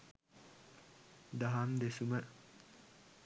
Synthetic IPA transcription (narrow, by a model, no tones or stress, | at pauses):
d̪ɐɦamd̪esumə